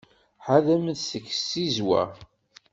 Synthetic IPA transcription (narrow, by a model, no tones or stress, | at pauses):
ħaðæmənsəkːsːizwæ̰